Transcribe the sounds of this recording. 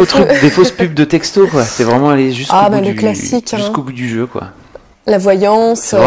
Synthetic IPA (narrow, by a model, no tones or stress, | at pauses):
ot̪d̪efospyb̚d̪ət̪ɛkst̪okwase̥t̪ɛvʁɛmɑ̃aleʒysaobɛləklasikʲɛ̃skobud̪yʒøkwa̰ | lavwajɑ̃s